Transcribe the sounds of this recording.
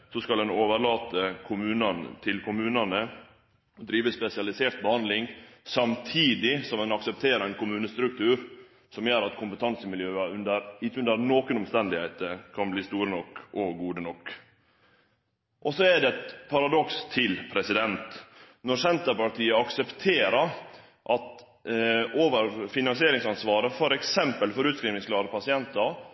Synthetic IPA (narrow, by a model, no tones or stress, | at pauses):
sɔskɑlɛnoːʋəɾɭɑːt̪əkʰʊmʉːnɑn̰t̪ʰɪlkʰʊmʉːnɑnə | d̪ɾiːʋəspɛsɪɑlɪseːɾt̪̚bəhɑnd̪lɪŋsɑmt̪ʰiːd̪ɪsɔmɛnɑksəp̚t̪ʰeːɾəæɪnkʰʊmʉːnəst̪ɾʉkt̪ʰʉːɾ | sɔmjøːɾɑt̪kʰʊmpət̪ʰɑnsəmɪljøːəʉnd̪əɾɪʉnd̪əɾnoːkənɔmst̪ɛnd̪ɪhæɪt̪əkʰɑnbliːst̪uːɾənɔkːɔɡuːd̪ənɔkː | ʔɔsɔɛɖ̪ɛɛt̪pʰɑɾɑd̪ɔkst̪ʰːɪlpʰɾɛsɪd̪ɛnt̪ | nɔɾsɛnt̪əɾpɑʈ̪ʰiːəɑksəpt̪ʰeːɾəɾ | ʔɑt̪ | oːʋəɾfɪnɑnsɪeːɾɪŋsɑnsʋɑːɾəfɔɾɛksɛmpəlfɔɾʉːt̪skɾiːʋnɪŋsklɑːɾəpʰɑsɪɛnt̪əɾ